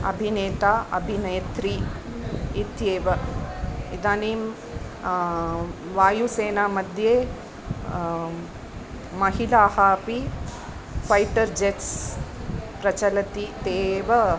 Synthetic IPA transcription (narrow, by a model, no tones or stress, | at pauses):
ɐ̰bʱineːt̪aːʔɐbʱinɐjt̪ɾiː | t̪jeːʋɐ | id̪aːniːm | ʋaːjuseːnaːmɐd̪ʱjeː | mɐɦilaːhaːpi | fɐjʈɐɾd͡ʒeʈs | pɾɐt͡ʃɐlɐt̪it̪eːʋɐ